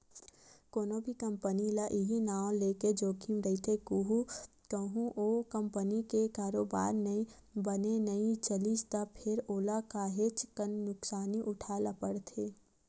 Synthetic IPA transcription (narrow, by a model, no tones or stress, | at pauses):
koːnõbʱikɐ̃mpənilaʔiɦinaːõleːked͡ʒoːkʰimɾəɦit̪ʰekuɦu | t̪oɦũʔokə̃mpənikekaːɾoːba̰ːɾnɐĩ | bənenɐĩt͡ʃəlist̪apʰɪɾoːlakaːɦet͡ʃkənːʊksaːniʔʊʈʰaːlapəɽt̪ʰeː